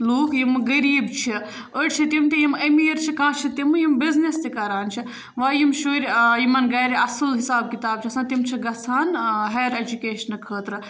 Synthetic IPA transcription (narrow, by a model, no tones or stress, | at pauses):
loːkʰjimɨɡɐɾiːbt͡ʃʰi | əʈʲt͡ʃʰit̪imt̪ʰijimɐmijɐɾt͡ʃʰikãːt͡ʃʰit̪imɨjimbiznist̪ikaːɾaːnt͡ʃʰi | ʋaːjimʃuːɾʲjimɐnɡɐːjɾiɐsɨlɦisaːb̚kit̪aːb̚t͡ʃʰiɐsãːt̪imt͡ʃʰiɡɐsʰaːnɦɐjɾed͡ʒukeːʃɐnkʰəːt̪ɾɨ